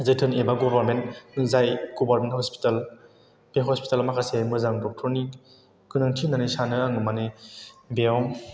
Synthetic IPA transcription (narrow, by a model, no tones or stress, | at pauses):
zɯjtʰɯnebaɡɔbaɾmentnɯzajɡ̥ɔbaɾmenthɔspi̥tal | peɦɔspi̥talmakʰasemɯzaŋdɔk̚tʰɔni | kɯnaŋtʰinanisanɯaŋɯmanebeɔŋ